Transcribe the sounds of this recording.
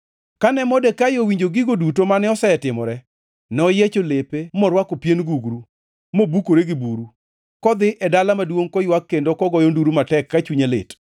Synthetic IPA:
kanɛmɔdekajowiɲd͡ʒoɡɪɡodutomanɛɔsɛɛtɪmɔ̰ɾɛ | nɛɔjet͡ʃolepemɔɾwakopjenɡuɡɾu | mɔobukoɾeɡɪbuɾu | kɔd̪ɪʔɛdalamadwoŋkɔjwakːendokɔɡɔjonduɾumatɛkːat͡ʃuɲelḛt

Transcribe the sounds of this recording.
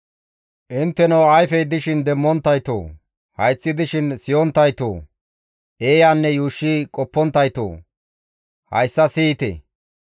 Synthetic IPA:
ʔɪnt̪ːɛnɐwɐjfɛjd̪ɪʃɪnd̪ɛmːɔnt̪ːɐjt̪o̰ː | hɐjt͡sʼːɪd̪ɪʃɪnsɪjɔnt̪ːɐjt̪o̰ː | ʔeːjaːnːɛjuːʃːikʼɔpːɔnt̪ːɐjt̪o̰ː | hɐ̰jsːɐsiːt̪ɛ̰

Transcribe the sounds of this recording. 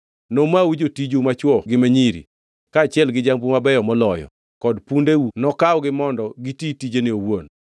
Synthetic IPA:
nomawud͡ʒotid͡ʒomat͡ʃwɔɡɪmaɲiɾḭ | kaːt͡ʃɪɛlɡɪd͡ʒaŋbumabɛjɔmɔlɔjɔ̰ | kɔdpundewunɔkawɔɡɪmɔndɔɡititid͡ʒenɪowon

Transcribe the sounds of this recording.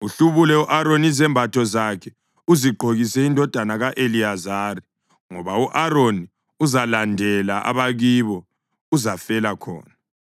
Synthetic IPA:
uɬuβulɛuʔaɾonizɛmbʱatʰɔzakʰɛ | uziɡ͡ǃʱoɣisɛindʱɔd̥ʱanaɣaʔeliazaːri | ŋɔβauʔaɾoni | uzalandʱɛlaʔa̰βaɣiβɔ | uzafɛlakʰɔ̰ːna

